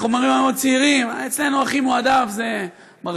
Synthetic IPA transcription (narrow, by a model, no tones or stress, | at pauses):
χomaʁimhameod̪̚t͡siiʁimet͡sle̞nuaχimuadavze | ma